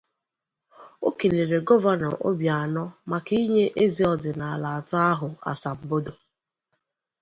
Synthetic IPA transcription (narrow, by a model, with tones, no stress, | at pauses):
o̰˦ke˨le˨ɾe˨ɡɔ˦va˦nɔ̰˨ʔo̰˦bja˨a˨nɔ˦ma˨ki˦ɲe˦ʔe˦zi˨ɔ˨dɪ˨na˨a˨la˨a˨ta˦a˦ɦʊ˨a̰˨sa˨m̩˨bo˦do˨